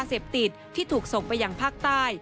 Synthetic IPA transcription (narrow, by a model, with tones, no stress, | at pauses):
seː˨˩p̚t̪i˨˩t̪ʰːiː˥˩t̪ʰuː˨˩k̚so˨˩ŋpa˧jːaː˨˧ŋpʰaː˥˩k̚t̪aː˥˩j